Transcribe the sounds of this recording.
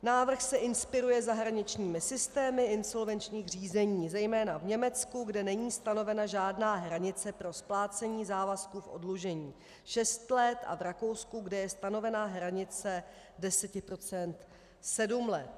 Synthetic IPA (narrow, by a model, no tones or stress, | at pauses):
naːvr̩xsɛʔɪnspɪɾujɛzaɦɾaɲɪt͡ʃɲiːmɪsɪst̪ɛːmɪɪnso̞lvɛnt͡ʃɲiːxr̝iːzɛɲiːzɛjmɛːnavɲɛmɛt͡skuɡdɛnɛɲiːst̪ano̞vɛnaʒaːdnaːɦɾaɲɪt͡sɛpɾo̞splaːt͡sɛɲiːzaːvaskufʔo̰dluʒɛɲiː | ʃɛst̪lɛt̪ʔa̰vɾako̞wskuɡdɛjɛst̪ano̞vɛnaɦɾaɲɪt͡sɛ | dɛsɛcɪpɾo̞t͡sɛnt̪ | sɛdumlɛt̪̚